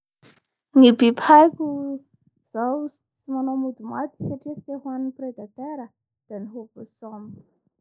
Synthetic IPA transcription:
nibiphajkʲu | z̥aw | t͡simanomud̪umat̪i̥saʈ͡ʂiəsi̥t̪eɦwanpɾed̪at̪eɾə | d̪̥aniɦovosɔm

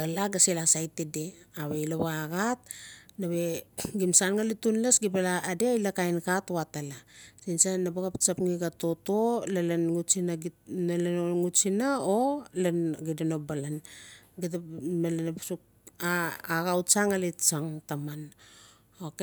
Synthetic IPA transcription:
alaɡaselasajtedeaβejloβaɡat̚naβe̞ɡimsanŋalitunlasɡipalaːdeajlakajnkatoatalasinsanabaɡapt͡ʃapŋiɡato̞tolalanusinanalenoŋut͡ʃinaolanɡidanobalanɡit̬amalenapsuk̚ | aːɡawt͡ʃaŋalet͡ʃaŋtaman | ok

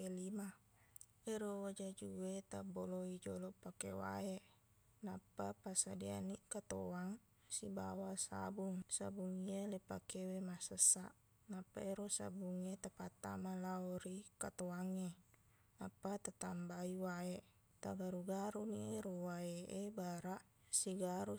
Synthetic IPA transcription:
elima | eɾowad͡ʒad͡ʒuwet̪aboloid͡ʒolopakḛwa̰e | napːapasadia̰nikat̪oaŋ | sibawasa̰buŋsabuŋialepakewemasəsːa̰ʔ | napːaeɾosa̰buŋiat̪apat̪ːa̰malaoɾikat̪oaŋːe | napːat̪at̪ambaiwae | t̪aɡaɾuɡaɾunieɾowaeʔebaɾaʔ | siɡaɾu

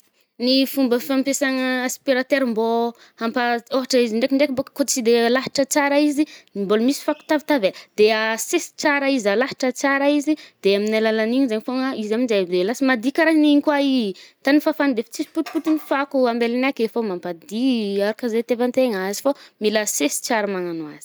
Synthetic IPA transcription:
nifumbəfampesaŋəaspiɾat̪eɾimbo | hampaoɦaʈ͡ʂəiziɳɖ͡ʐekiɳɖ͡ʐekmbokkot͡sid̪elaɦi̥ʈ͡ʂət͡saɾaizinimbolmisi̥faku̥t̪avit̪avad̪̥easesi̥t͡saɾaizalaɦi̥ʈ͡ʂət͡saɾaizid̪̥eaminalalaniɲizaɲifoŋaizaminzabd̪elasimad̪ikaɾaɦniɲikwait̪anifafand̪efi̥t͡sisput̪iput̪inifakuambelinakefomampad̪iaɾukazet̪evant̪eŋaazi̥fomilasesi̥t͡saɾamaŋanwa̰z̥i̥

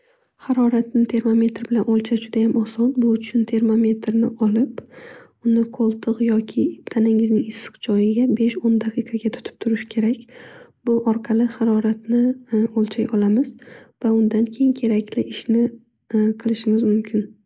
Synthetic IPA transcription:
haɾɒɾat̪̚nɪt̪ʰe̞ɾmome̞t̪ɾbɪlanʔɒlˠt͡ʃʰad͡ʒʊd̪ajamɒsɒnbʊʊt͡ʃʰʊnt̪ʰe̞ɾmomʲe̞t̪ɾnɪʔɒlɪp | ʊnɪqʰolˠt̪ʰɨqjɒkʲʰɪt̪ʰanɪŋɪznɪŋɪsːɨ̥qd͡ʒɒjɪɡʲabe̞ʃond̪aqʰɨqʰɑɡʲat̪ʰʊ̥t̪ʰɪ̥p̚t̪ʰʊɾɪʃɪ̥kʲʰe̞ɾakʲb̥ʊʔɒɾqʰɑlɪχaɾɒɾat̪̚nɪolˠt͡ʃʰajɒlamɪzvaʊnd̪ankʲʰe̞jɪŋnkʲʰe̞ɾakʲlɪʔɪʃnɪ | qʰɨlˠɪʃɪŋɪzmʊmkʲʰɪn

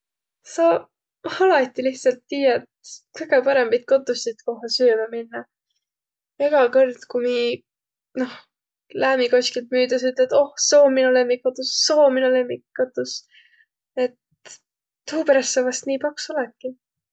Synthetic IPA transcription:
sɑ | ɑlɑt̪ːˑiliht̪sɑlt̪ːiːjɑet̪kɤjɡ̥epɑɾembɑjt̪̚ko̞t̪ːˑusit̪ko̞ɦɑsyːmɑminːɑ | eɡ̥ɑkɤrd̪̥kumi | no̞h | læːmiko̞skilt̪̚myːd̪̥ɑs̬yt̪led̪o̞hso̞ːminulemːikkot̪ːusːoːminulemːikkot̪ːˑus | e̞t̪ː | uːpeɾɑst̪sɑvɑst̪niːpɑksolɑk̪ːi

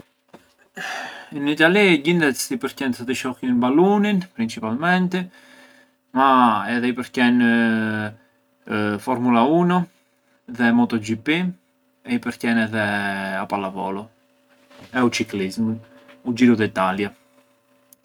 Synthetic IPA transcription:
init̪aliɟind̪ɛst̪ipəɾcɛnsɔt̪əʃɔkinbaluninpɾint͡ʃipalmɛnt̪ɛ | maɛðɛipəɾcɛn | fɔɾmulaunu | ðɛmɔt̪ɔd͡ʒipi | ɛipəɾcɛnɛðɛapalavɔ̰lɔ | ɛut͡ʃiklizmnud͡ʒiɾud̪ɛit̪alja

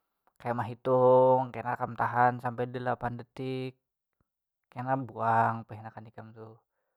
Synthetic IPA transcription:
kajamaɦit̪uŋkanakamt̪aɦansampɛdəlapandət̪ɪk̚ː | aenabuaŋpəɦinakandikamt̪u

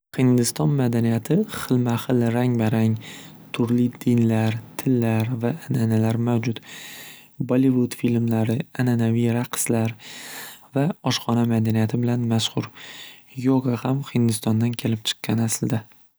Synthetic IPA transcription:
hɪnd̪ɪst̪ɒnmad̪anijat̪ʰɪχɨlˠmaχɨlɾaŋbaɾaŋ | t̪ʰʊɾlɪd̪ɪnlaɾt̪ʰɪlːaɾvaʔnanalaɾmawd͡ʒʊt̪ | bolˠivʊd̪filmlaɾɪananavijɾaqʰɨ̥slaɾ | vaɒʃχɒnamad̪anijat̪ʰɪbɪlanmaʃhʊɾ | jɒʁɑhamhɪnd̪ɪst̪ɒnd̪ankʲʰe̞lɪp̚t͡ʃʰɨ̥qːɑnasɪld̪a

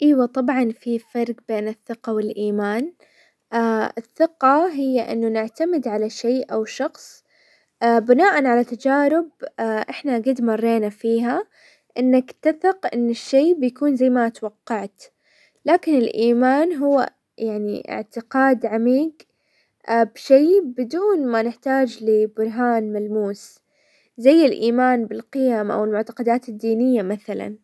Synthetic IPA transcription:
ʔiːwat̪ˤɑbʕɑnfifɑɾˤqbeːnɪθːɪqɑwɪlʔiːmaːn | ʔaɪθːɪqɑɦɪjːaʔɪ̰nːʊnɪʕt̪amɪd̪ʕalaʃeːʔawʃɑxsˤ | bɪnaːʔanʕalat̪ad͡ʒaːɾɪb̚ʔɪħnaɡad̪mɑrˤːeːnafiːɦa | ʔɪnːakt̪aθɪqʔɪ̰nːɪʃːeːbɪjakuːnzajːmat̪wɑqːɑʕt̪ | laːkɪnɪlʔiːmaːnɦʊwːa̰ | jaʕnḭʔɪ̰ʕt̪ɪqɑːd̪ʕamiːɡ | bʃeːbɪd̪uːnmanɪħt̪aːd͡ʒlibʊɾˤɦaːnmalmuːs | zajːɪlʔiːmaːnbɪlqɪjamʔa̰wɪlmʊʕt̪ḁqɑd̪aːt̪ɪd̪ːiːnɪjːamaθala̰n

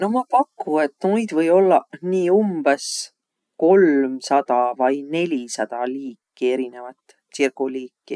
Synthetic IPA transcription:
no̞mɑpɑkːue̞t̪ːnujd̪vɤjo̞lːɑniːumb̥es | ko̞lmsɑd̪̥ɑvɑjne̞lʲisɑd̪̥ɑliːkːie̞ɾine̞vɑt̪ˑː | sirkuliːkːi

